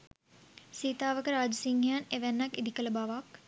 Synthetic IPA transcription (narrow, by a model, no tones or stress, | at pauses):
siːt̪aːʋəkəɾaːd͡ʒəsiŋɦejaneʋænːakid̪ikələbaʋak